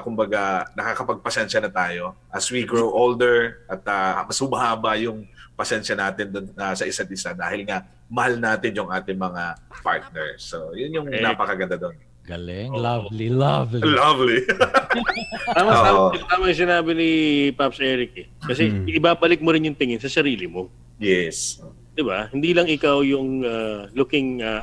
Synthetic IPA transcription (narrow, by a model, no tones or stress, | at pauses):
kʊmbɐɡanɐkakɐpɐɡ̚pɐsɛnʃɐnɐt̪aːjo̞ʔɐswiɡɹowʔold̪ɛɹʔɐt̪̚ɐmɐshʊmɐhaːbɐjʊŋpɐsɛnʃɐnaːt̪ɪnd̪ʊnɐsɐʔɪsad̪ʔɪsad̪aːhɪlŋa | mɐhalnaːt̪ɪnjʊŋʔaːt̪ɪŋmɐŋapa̰ɹt̪̚nɛɹsojʊnjʊŋnapɐkɐɡɐnd̪ɐd̪on | ɡɐlɪŋlalilavllavli | aːmɐŋoːaːmot̪aːmɐŋsɪnaːbɪnɪpap̚sɛɾɪk̚ɛ | kɐs̬ɛʔɪbaːbɐlɪk̚moɾɪnjʊŋt̪ɪŋɪnsɐsɐɾiːlɪmo̞ | jɛso | d̪̥ɪbahɪnd̪iːlɐŋʔɪkawjʊŋalʊkɪŋa